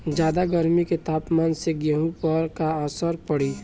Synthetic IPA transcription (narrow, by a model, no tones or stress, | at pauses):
d͡ʒjaːd̪aɡəɾmiket̪aːpmaːnseɡəɦũpəɾkaəsəɾpəɽi